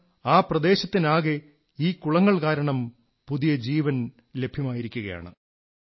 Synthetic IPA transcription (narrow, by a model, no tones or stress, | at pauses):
aːprɐd̪e̞ːɕɐt̪ːinaːɣe | iːkːuɭɐŋːɐɭkaːɾɐɳɐm | puðijɐd͡ʑiːʋɐn | le̞bʱjɐmaːjiɾikʲːuɣɐja̰ːɳɨ̰